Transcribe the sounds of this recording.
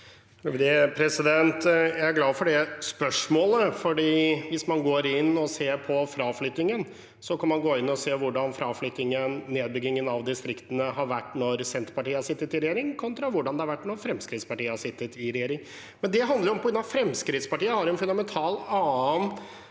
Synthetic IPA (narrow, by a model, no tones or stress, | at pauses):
d̪epʰɾɛsɪd̪ɛnt̪jæɪæɾɡlɑːfɔɖɛspœʂmoːləfɔɖiːʋɪsmɑnɡoːɾɪnːɔseːpʰɔfɾɑːflʏt̪ːɪŋən | sɔkʰɑnmɑnɡoːɪnːɔseːʋʊɖɑnfɾɑːflʏt̪ːɪŋənːeːd̪̚bʏɡɪŋːənɑʋd̪ɪst̪ɾɪkt̪ənəɦɑɾʋæʈːnɔɾsɛnt̪ɾpɑʈiːəhɑɾʂsɪt̪ːət̪ɪɾɛjeːɾɪŋkʰɔnt̪ɾɑʋʊɖɑnd̪ɛhɑɾʋæʈːnɔɾfɾɛmskɾɪt̪spɑʈiːəhɑʂɪt̪ːət̪ɪɾɛjeːɾɪŋ | mɛnd̪ɛɦɑnd̪əɾɔmpɔɡɾʉnɑfɾɛmskɾɪt̪spɑʈiːəhɑɾɛnfʉnd̪ɑmɛnt̪ʰɑːlɑːn